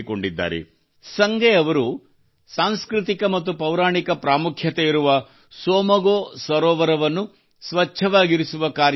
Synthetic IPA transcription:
koɳɖid̪ːa̰ːɾḛ | sɐŋɡɛɐʋɐɾu | saːnskɾit̪ikɐmɐt̪̬ːupɐwɾaːɳikɐpɾaːmukʰjɐt̪eiɾuʋɐ | sɔːmɐɡoːsʋɐɾɔːʋɐɾɐʋɐnːu | sʋɐt͡ʃʰːɐʋaːɡiɾisuʋɐkaːɾ

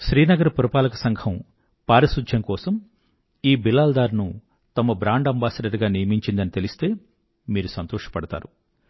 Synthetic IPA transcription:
ʃɾiːnɐɡɐɾɐpuɾɐpaːlɐkɐsɐŋɡʰʱɐm | paːɾɐsud͡ʒʱjɐŋkɔːsɐm | iːbilaːld̪aːɾnu | t̪ɐmɐbɾaːɳɖɐmbaːsɐɾɐʈɡaːnijɐmiɲt͡ʃind̪ɐnit̪elist̪e̞ː | miːɾusɐnt̪ɔːʂɐ̥pɐɽɐt̪a̰ːɾu

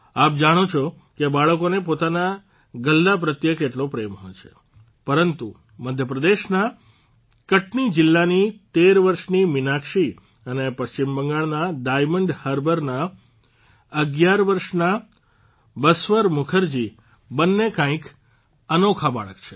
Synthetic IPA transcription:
ap̚d͡ʒaɽ̃ot͡ʃʰo | kebaɭəkonepot̪ana | ɡəlːapɾət̪jəkeʈlopɾemɦɔjt͡ʃʰe | pəɾənt̪u | məd̪ʱjəpɾəd̪eʃna | kəʈnid͡ʒɪlːanit̪eɾʋəɾʃnimɪnakʃi | ənepəʃt͡ʃimbəŋɡaɭnaɖajməɳɖhəɾbəɾna | əɡjaɾʋəɾʃna | bəsʋəɾmʊkʰəɾd͡ʒi | bənːekãĩk | ənokʰaba̰ɭə̰kt͡ʃʰe̥

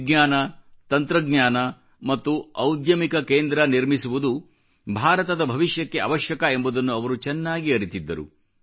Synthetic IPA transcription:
ɡɲaːnɐt̪ɐnt̪ɾɐɡɲjaːnɐ | mɐt̪ːuɐwd̪jɐmikɐkeːnd̪ɾɐniɾmisuʋud̪u | bʱaːɾɐt̪ɐd̪ɐbʱɐʋiʃjɐkːe̞ɐ̰ʋɐʃjɐkɐembud̪ɐnːuɐʋɐɾut͡ʃɛnːaːɡiɐɾit̪id̪ːɐ̰ɾṵ

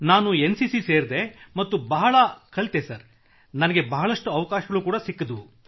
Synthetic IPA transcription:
naːnuensisiseːɾd̪e̞mɐt̪ːubɐɦɐɭɐkʰɐɭt̪esɐɾ | nɐnɐɡe̞bɐɦɐɭɐʂʈuɐʋɐkaːʃɐɡɐɭuːkuːɽasikːɐd̪u

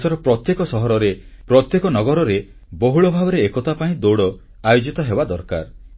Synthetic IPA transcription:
sɔɾɔpɾɔt̪jekɔsɔɦɔɾɔɾepɾɔt̪jekɔnɔɡɔɾɔɾe | boɦuɭɔbʱabɔɾeːkɔt̪apaĩd̪oɽɔ | ajod͡ʒit̪ɔɦebad̪ɔɾka̰ɾ

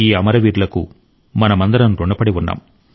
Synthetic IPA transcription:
iːɐmɐɾɐʋiːɾlɐkṵ | mɐnɐmɐnd̪ɐɾɐnɾuɳɖɐpːɐɽiʋunːa̰ːm

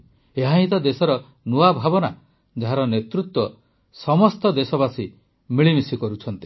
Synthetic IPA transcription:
eɦaɦĩt̪ɔd̪esɔɾɔ | nuabʱabɔna | d͡ʒaɦaɾɔnet̪ɾut̪wɔ | sɔmɔst̪ɔd̪esɔbasi | miɭimisikɔɾut͡ʃʰɔnt̪i̥

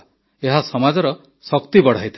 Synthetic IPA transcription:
eɦasɔmad͡ʒɔɾɔ | sɔkt̪ibɔɽ̤ajt̪ʰ

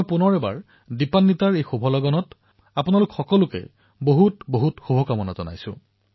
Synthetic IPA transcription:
jpunɔɹɛba̰ɹ | dipanːitaɹejxubʱɔlɔɡɔnɔt | apunalʊkxɔkɔlukɛ̰ | boɦutboɦutxubʱɔkamɔna̰zɔna̰jsʊ̰̃

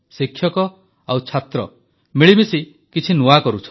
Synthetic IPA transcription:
sikʰːjɔkɔ | awt͡ʃʰat̪ɾɔ̰ | miɭimisi | kit͡ʃʰinuakɔɾut͡ʃʰɔ

